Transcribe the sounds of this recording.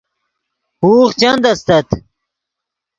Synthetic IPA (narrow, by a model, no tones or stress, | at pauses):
huːχt͡ɕɐnd̪ɐst̪ɐt̪